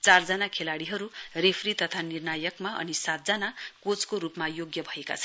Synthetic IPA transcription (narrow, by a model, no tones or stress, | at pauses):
t͡sard͡zʌnakʰelaɽiɦʌɾurepʰrit̪ʌt̪ʰanirnajʌkmaʔʌ̰nisat̪̚d͡zʌnakot͡skoɾupmajoɡjʌbʱʌeka̰t͡sʰʌn